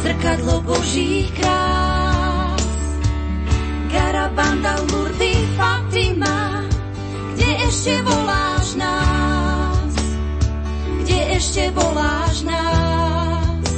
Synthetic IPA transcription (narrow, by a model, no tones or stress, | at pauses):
zr̩kad̪lɔbɔʒiːxkɾaː | s | ɡaɾaband̪almuɾd̪ifat̪ɾima | ɡɟɛɛʃcɛʋɔlaːʒna | s | ɡɟɛɛʃcɛʋɔlaːʒna | s